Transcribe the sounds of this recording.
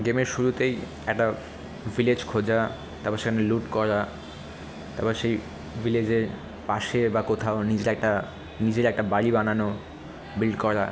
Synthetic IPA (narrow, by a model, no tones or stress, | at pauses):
ɡemeɾʃuɾut̪ej | ɛk̚ʈa | viled͡ʑkʰod͡ʑa | t̪apaɾʃekʰaneluʈkɔɾa | t̪abaɾʃej | viled͡ʑeɾ | paʃebakot̪ʰaonid͡ʑeɾɛk̚ʈa | nid͡ʑeɾɛk̚ʈabaɽibanano | bilɖkɔɾa̰